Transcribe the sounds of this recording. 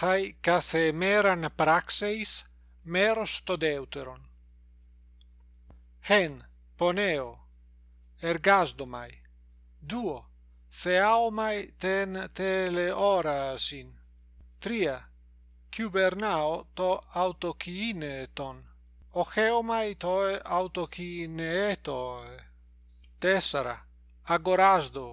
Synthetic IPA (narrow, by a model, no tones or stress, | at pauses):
hajkaθemeɾanpɾaksejs | meɾost̪od̪ewt̪eɾon | hen | poneo | eɾɡazd̪oma̰j | d̪uo | θeaomajt̪ent̪eleʔɔɾasin | t̪ɾia | kʰjubeɾnaot̪oawt̪okʰiinet̪on | oxeomajt̪oeawt̪okʰineet̪oee | t̪esaɾa̰ | aɡoɾazd̪o